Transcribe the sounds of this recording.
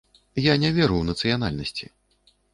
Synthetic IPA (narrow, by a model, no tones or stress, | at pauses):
janʲɛvʲɛɾuwnɐt̪sɨjana̰lʲnɐsʲt͡sʲi